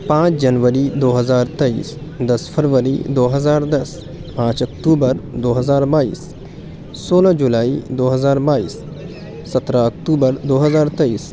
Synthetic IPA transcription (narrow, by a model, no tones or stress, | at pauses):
pãːt͡ʃd͡ʒɐnʋəɾid̪oːɦəzaːɾt̪ɐḭːsd̪əsfʰəɾʋəɾḭd̪oːɦɐzaːɾd̪ɐs | pãːt͡ʃɐkʈuːbəɾd̪oːɦɐzaːɾbaːḭːs | soːlad͡ʒulaːid̪oːɦəzaːɾbaːḭːs | sɐt̪ɾaəkʈuːbəɾd̪oːɦɐzaːɾt̪ɐiːs